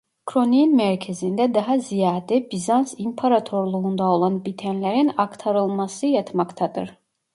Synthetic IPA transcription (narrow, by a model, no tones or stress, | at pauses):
kʰɾoninmæɾcʰezind̪ɛd̪ɑɦɑzijaːd̪ɛbizansimpʰaɾat̪ʰo̞ɾlˠuund̪ao̞lˠɑnbit̪ʰænlʲæɾinɑkt̪ʰaɾɯlˠmɑsɯjɑt̪ʰmɑkt̪ʰɑd̪ɯ̰ɾ̥